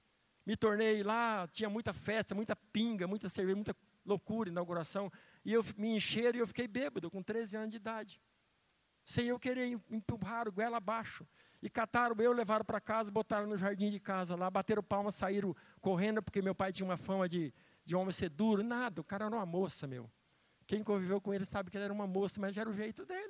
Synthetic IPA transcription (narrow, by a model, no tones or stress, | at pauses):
mɪt̪oɾnejlat͡ʃĩɲɐmũj̃t̪ɐfɛst̪ɐmũj̃t̪ɐpĩŋɡɐmũj̃t̪ɐseɾveʒɐmũt̪ɐ | lokuɾɐĩnawɡuɾasɐ̃w̃ | ɪewmɪẽʃeɾʊɪewfi̥kejbebɐd̪ʊkõt̪ɾezɪɐ̃nʊzd͡ʒɪid̪ad͡ʒɪ | sẽj̃ewkeɾejĩpuɦaɾʊɡwɛlabaʃʊ | ɪkat̪aɾʊ̃ewlevaɾʊpɾakazɐbot̪aɾʊ̃nʊʒaɾd͡ʒĩd͡ʒɪkazɐlabat̪eɾʊpawmɐsaiɾʊkoɦẽnd̪ʊpoɾkemewpajt͡ʃĩɲɐũmɐfɐ̃mɐd͡ʒɪ | d͡ʒɪõmẽj̃sed̪uɾʊnad̪ɐʊkaɾɐɛɾɐũɐmosɐmḛw | kẽj̃kõvivewkõelɪsabɪkɪlɛɾɐũmɐmosɐmɐzʒaɛɾɐʊʒejt̪ʊd̪elɪ